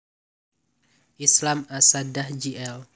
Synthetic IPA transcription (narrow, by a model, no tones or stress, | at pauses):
ʔislamasadahd͡ʒiɛl